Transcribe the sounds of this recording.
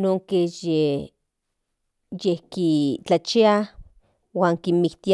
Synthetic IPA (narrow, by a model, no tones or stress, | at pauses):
noːŋkeje | jehkit͡ɬat͡ʃia | waːŋkimikt̪i